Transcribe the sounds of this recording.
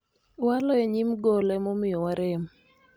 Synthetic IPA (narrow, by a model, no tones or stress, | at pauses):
walɔeɲimɡɔlɛmomɪjɔwaɾɛm